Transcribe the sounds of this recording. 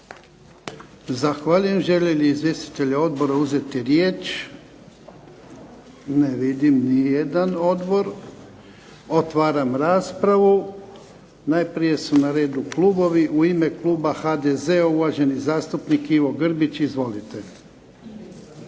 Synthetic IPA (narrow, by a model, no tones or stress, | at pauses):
zaxʋaːʎuje̞mʒe̞ʎeliizʋje̞st̪i̥t̪e̞ʎeo̞d̪bo̞ɾauze̞t̪iɾjeːt͡ʃ | neʋid̪imnijed̪ano̞d̪bo̞ɾ | ot̪ʋaːɾamɾaːspɾaʋu | najpɾije̞sunaɾe̞ːd̪ukluːbo̞ʋiʔuime̞klˠuːbaxad̪eze̞auʋaʒe̞nizaːst̪upnikiʋo̞ɡr̩bit͡ʃizʋo̞lit̪e̞